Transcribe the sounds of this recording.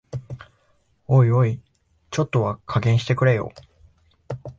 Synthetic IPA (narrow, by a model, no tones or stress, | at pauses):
oioi | t͡ɕo̞t̪ːo̞βakʰaɡẽɰ̃ɕi̥t̪e̞kɯ̟ɾe̞jo̞̰ː